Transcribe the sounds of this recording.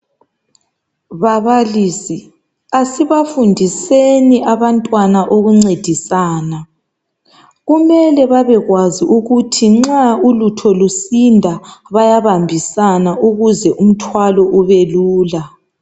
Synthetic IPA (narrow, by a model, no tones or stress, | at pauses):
βaβaliːsi | asiβafundʱiseniʔaβantʼwanaʔoɣuŋ͡ǀed̥ʱisaːna | ɣumɛlɛβaβɛɣwaziʔuɣutʰiŋ͡ǁaulutʰɔlusindʱaβajaβambʱisanaʔuɣuzɛʔum̩tʰwalɔʔuβeluːla